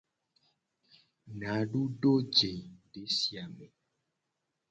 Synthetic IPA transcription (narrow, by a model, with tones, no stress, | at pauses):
nã˨˦ɖu˦ɖo˦d͡ʒe˨ɖe˨˦si˨a˨me˨